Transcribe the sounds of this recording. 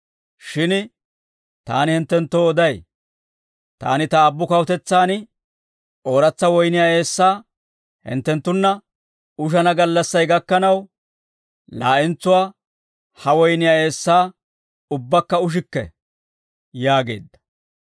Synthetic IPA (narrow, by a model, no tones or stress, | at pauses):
ʃɪn | t̪aːnɪhɪnt̪ːɛnt̪ːoːɔd̪ɐj | t̪a̰ːnɪt̪ɐːbːʊkɐwɔt̪ɛt͡sːaːnɪ | oːɾɐt͡sːɐwɔjnɪjaːe̞ːsːaː | hɪ̰nt̪ːɛnt̪ːʊnːɐ | ʊʃ̬ɐnɐɡɐlːɐsːɐjɡɐkːɐnɐw | laːʔɪnt͡sːʊwaː | hɐwɔjnɪjaːe̞ːsːaː | ʊbːɐkːɐʊʃ̬ɪkːɛ̰ | jaːɡe̞̰ːd̪ːɐ̥